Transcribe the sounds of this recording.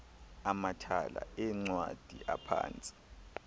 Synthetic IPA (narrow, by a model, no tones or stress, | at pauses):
amatʰala̰ɛŋ͡ǀwad̥ʱiʔapʰa̰ːnt͡sʼi̥